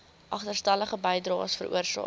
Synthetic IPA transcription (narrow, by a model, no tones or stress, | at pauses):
ʔɐχtərstæləχəbəjdrɑːsfə̰ɾʔṵərsɑ̰ː